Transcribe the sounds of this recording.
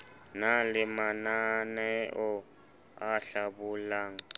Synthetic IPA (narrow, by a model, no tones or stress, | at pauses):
nalɪmananɛʔɔ | aɬabuːlaːŋ̩